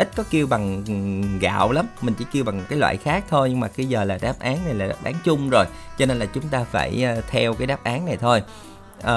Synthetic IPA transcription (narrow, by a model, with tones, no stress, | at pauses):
ʔi˦˥t̟̚kɔ˨˦ki˧əwɓa˨˩ŋɣa̰ː˧˨wla˨˦mmï˨˩ŋ̟t͡ɕḭ˧˩ki˧əwɓa˨˩ŋkaː˨˦jlwa̰ː˧˨jxaː˦˥k̚t̪ʰo˧jɲɨ˧ŋmaː˨˩ki˧zəː˨˩laː˨˩ɗaː˦˥p̚ʔaː˨˦nna˨˩jlaː˨˩ɗa̰ː˦˥p̚ʔaː˨˦nt͡ɕʊ˧ŋ͡mzo˨˩j | t͡ɕɔ˧ne˧nlaː˨˩t͡ɕʊ˨˦ŋ͡mt̪aː˧fa̰ː˧˩jːt̪ʰɛ˧wkaː˨˦jɗaː˦˥p̚ʔaː˨˦nːa˨˩jt̪ʰo˧j | ʔəː˨˩